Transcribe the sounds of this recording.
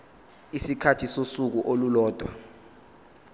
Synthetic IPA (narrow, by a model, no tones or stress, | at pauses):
isikʰatʰisosuk̬uʔolulɔːd̥ʱwa̰